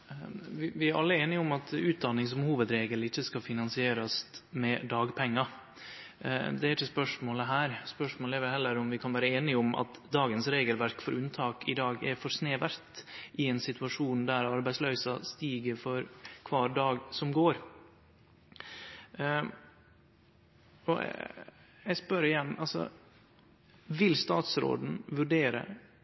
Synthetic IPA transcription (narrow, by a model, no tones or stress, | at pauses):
ʋɪʋɪæɾʔɑ̰lːəeːnɪɔmɑt̪ʉːt̪̚d̪ɑnːɪŋs̬ɔmhuːʋəd̪ɾeːɡəlɪçːəskɑfɪnɑnsɪeːɾɑsmɛd̪ɑːɡpʰɛŋːɑ | d̪ɛæɾɪçːəspœʂmoːləɦæːɾspœʂmoːləɛɾʋɛlhɛlːəɾɔmʋɪkʰɑnʋæːɾəeːnɪɔmʔɑ̰t̪d̪ɑːɡənsɾeːɡəlʋæɾkfɔɾʉnt̪ʰɑːkɪ̰d̪ɑːɡɛɾfɔɾsneːʋæɾt̪ʔɪɛnsɪt̪ʉɑʂuːnd̪æɾɑɾbæɪslœʏsɑst̪iːɡəɾfɔɾkʰʋɑːɾɖ̪ɑːɡsɔmɡoːɾ | ɔ̰ | ɛɪspœɾɪjɛnːɑlsɔ̰ | ʋɪlst̪ɑːt̪sɾo̰ːd̪n̩ʋʉɖeːɾə̰